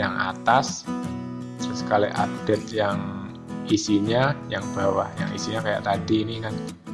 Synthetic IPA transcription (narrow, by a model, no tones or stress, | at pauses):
jaŋʔa̰t̪as | səsə̥kalḭʔa̰d̥ɛt̪̚jaŋ | isiɲajaŋb̥awahja̰ŋḭsiɲakaja̰ʔt̪adiːnikan